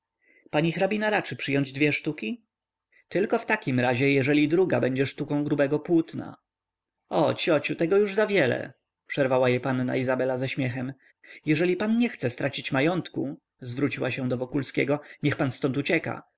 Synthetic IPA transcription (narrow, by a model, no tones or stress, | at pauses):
paɲixɾabʲinaɾat͡ʂɘpʂɘjɔɲd͡ʑd̪vʲjɛʂt̪ukʲi | t̪ɘlkɔft̪akʲimɾaʑɛjɛʐɛlʲid̪ɾuɡabɛɲd͡ʑɛʂt̪ukɔ̃w̃ɡɾubɛɡɔpwut̪na̰ | ɔt͡ɕɔt͡ɕut̪ɛɡɔjuʐzavʲjɛlɛ̰ | pʂɛɾvawajɛpanːa̰izabɛlazaɕmʲjɛxɛm | jɛʐɛlʲipanɲɛxt̪sɛst̪ɾʔat͡ɕit͡ɕmajɔnt̪ku | zvɾut͡ɕiwaɕɛ̃w̃d̪ɔvɔkulskʲɛɡɔɲɛxpanst̪ɔnt̪ut͡ɕɛka̰